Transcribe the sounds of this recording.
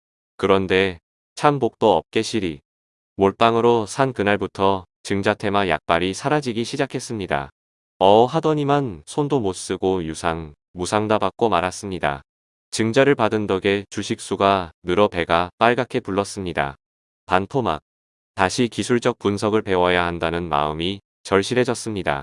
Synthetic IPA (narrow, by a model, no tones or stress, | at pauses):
kɯɾʌnde̞ | t͡ɕʰambok̚t͈oʌp̚k͈e̞ɕʰiɾi | moɭp͈aŋɯɾosʰankɯnaɭbutʰʌ | t͡ɕɯŋd͡ʑatʰe̞maja̰k̚p͈aɾisʰaɾad͡ʑiɡiɕʰid͡ʑakʰe̞s͈ɯmɲida̰ | ʌɦadʌɲimansʰondomos͈ɯɡojusʰaŋ | musʰaŋdabak̚k͈omaɾas͈ɯmɲida̰ | t͡ɕɯŋd͡ʑaɾɯɭpadɯndʌɡe̞t͡ɕuɕʰik̚s͈uɡanɯɾʌpe̞ɡap͈aɭɡakʰe̞puɭːʌs͈ɯmɲida̰ | pantʰoma̰k̚ | taɕʰikisʰuɭd͡ʑʌk̚p͈unsʰʌɡɯɭpe̞wʌjahandanɯnma̰ɯmi | t͡ɕʌɭɕ͈iɾɦe̞d͡ʑʌs͈ɯmɲida̰